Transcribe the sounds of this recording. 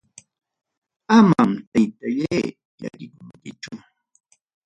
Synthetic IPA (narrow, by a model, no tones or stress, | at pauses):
amamt̪ajt̪ajaj | ja̰ɾɪkʊŋkɪt͡ʃʊ